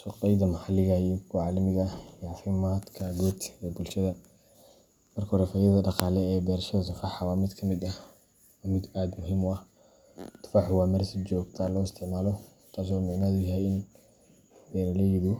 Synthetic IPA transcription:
ʃʊqɛjd̪ɐmɑħɑlɪɣɐijɔkʰʊʕɑlɐmɪɣɐiːʕɑfɪmaːd̪kʰɐɡɔt̪ɛbʊlʃɐðɐ | mɐrkɐhɔɾɛfɐjɐðɐɖɑqɑːlɛɛːbɛːrʃɔsʊfɑħɑwaːmɪd̪kʰɐmɪd̪ɐh | wɑːmɪd̪aːd̪mʊɦɪmʊɐh | t̪ʰʊ̥fɑħʊwɑːmɐrsɪd͡ʒɔːɡ̚t̪ʰalɔːɪst̪ʰɪʕmaːlɔ | t̪ʰaːs̬ɔmɪʕnɐðʊjɐɦɛjɪn | bɛɾɐlɐjɪðʊ

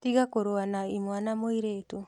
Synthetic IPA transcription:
tiɡakoɾoanaimoanamoiɾetu

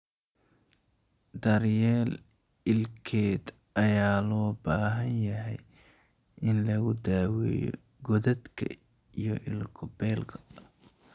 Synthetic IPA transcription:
d̪ɐɾjɛːlɪlkʰɛːd̪ɐjaːlɔːbɐɾɐɦɐnjɐɦɛj | ʔɪnlɐɣʊd̪aːwɛ̰ːjɔ̰ɡɔðɐd̪kʰɐ̰ | ijɔʔɪlkʰʊbɛːlkʰɐ̥

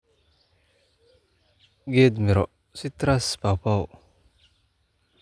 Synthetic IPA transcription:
ɡed̪miɾɔ̰ʔ | sit̪ɾaspawpaw

